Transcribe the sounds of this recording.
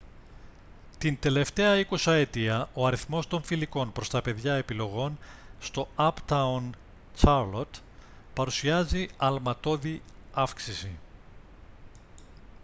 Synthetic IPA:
t̪ind̪e̞le̞ft̪e̞ɐikosɐet̪iɐo̞ɐɾiθmo̞st̪o̞ɱfiliko̞npɾo̞st̪ɐpe̞ðʝɐe̞pilo̞ɣo̞nst̪o̞ɐpt̪ɐun | t͡ʃɐɾlot̪ | pɐɾusiɐziɐlmɐt̪o̞ðiɐfksisi

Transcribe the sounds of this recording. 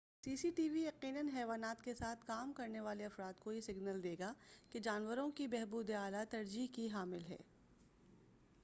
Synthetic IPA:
siːsiʈiːʋijɐqiːnənɦɛːʋaːnaːt̪kesaːt̪ʰkaːmkɐɾneʋaːleɐfɾaːd̪kojesɪɡnəld̪eːɡaked͡ʒaːnʋəɾõkibɛɦbuːd̪eaːlat̪ɐɾd͡ʒiːɦkiɦaːmɪlɦɛ̰ː

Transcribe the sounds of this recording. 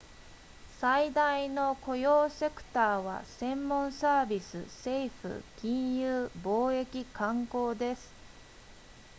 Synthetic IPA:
said̪aino̞ko̞jo̞ːse̞kɯ̟̥t̪aːβa̰sẽ̞mːõ̞ɰ̃saːbʲisɨ̰se̞iɸɯ̟̰kʲĩɰ̃jɯːbo̞ːe̞kʲikãŋko̞ːd̪e̞sɨ̥

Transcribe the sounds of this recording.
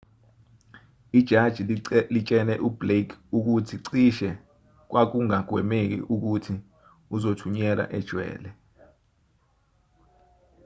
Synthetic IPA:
id̥ʒ̥ʱad̥ʒ̥ʱilit͡ʃʼɛnɛʔub̥lekʰuk̬utʰiǀiʃɛ | k̬wak̬uŋaɡ̥ʱwɛmek̬ḭʔuk̬utʰi | uzotʰuɲɛla̰ʔɛd̥ʒ̥ʱwɛ̰ːlɛ

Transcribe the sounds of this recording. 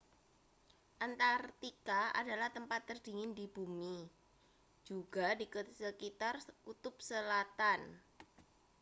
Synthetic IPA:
ʔant̪art̪ikaʔa̰dalaht̪əmpat̪ːərd̥iŋɪndib̥umi | d͡ʒ̥uɡ̥a̤dikusəkit̪arkut̪ʊp̚səlat̪an

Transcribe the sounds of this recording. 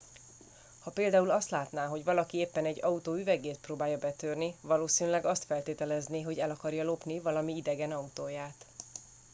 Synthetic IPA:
hɒpeːld̪aːulɒst̪laːt̪naːɦo̞ɟʋɒlɒkieːpːɛnɛɟːɒut̪oːyvɛɡeːt̪̚proːbaːjɒbɛt̪øːrnivɒloːsiːnylɛɡɒst̪fɛlt̪eːt̪ɛlɛzniɦo̞ɟɛlɒkɒrjɒlo̞pnivɒlɒmiid̪ɛɡɛnɒut̪oːjaːt̪

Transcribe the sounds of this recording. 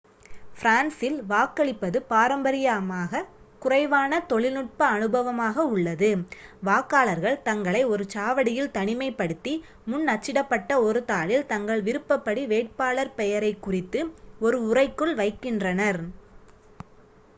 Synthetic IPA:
fɾaːnsɪlʋaːkːɐɭɪpːɐðɯpaːɾɐmbɐɾɪjaːmaːɣɐ | kʊrɐɪʋaːnɐt̪ɔɭɪlnɯʈ̚pɐːnɯbɐʋɐmaːɣɐʊɭːɐðɯʋaːkːaːɭɐɾɣɐɭt̪ɐŋɡɐɭɐɪɔɾɯt͡ʃaːʋɐɽɪjɪlt̪ɐɳɪmɐɪpːɐɽɯt̪ːi | mʊnːɐt͡ʃːɪɽɐpːɐʈːɐɔɾɯt̪aːɭɪlt̪ɐŋɡɐɭʋɪɾɯpːɐpːɐɽiʋeːʈ̚paːɭɐɾpɛjɐɾɐɪkːʊrɪt̪ːɯɔɾɯʊrɐɪkːɯɭʋɐɪkːɪndrɐnɐɾ

